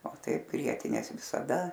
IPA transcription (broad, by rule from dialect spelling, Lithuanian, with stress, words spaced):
oː ˈtɐɪp ˈɡrʲiɛtʲɪnʲeːs ʋʲɪsɐˈdɐ